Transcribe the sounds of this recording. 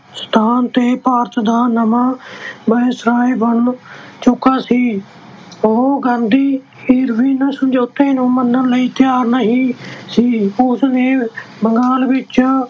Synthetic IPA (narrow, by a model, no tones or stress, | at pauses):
st̪ʰaːnt̪eːpaːɾt̪d̪aːnəmãːbəeːsɾaːebəɳmt͡ʃʊkaːsiː | oːɡãːnd̪iː | ɪɾʋiːnəsəmd͡ʒoːt̪eːnũːmənːələiːt̪jaːɾnaɦĩːsiːʊsneː | bəŋɡaːlbɪːt͡ʃaː